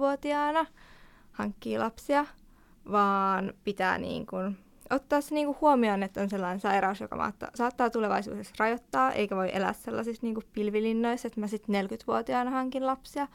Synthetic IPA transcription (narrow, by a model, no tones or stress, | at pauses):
uot̪iɑɑːnɑ | hɑŋkːiːlɑpsiɑ | ʋɑːnpit̪æ̰ːnḭːŋkun | ot̪ːɑːsːeniːŋkuhuomionet̪ːonselːɑinensɑirɑusjokɑ̰mɑ̰ːt̪ːɑ̰sɑːt̪ːɑːt̪uleʋɑ̰isṵːsesrɑjot̪ːɑːʔḛikæʋoiʔelæ̰ːsselːɑsisniːŋkuppilʋilinːoiset̪mæsit̪nelkyt̪ʋuot̪iɑːnɑhɑŋkinlɑpsiɑ